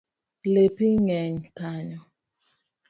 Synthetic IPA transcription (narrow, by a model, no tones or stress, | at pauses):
lepiɲɛɲkaɲɔ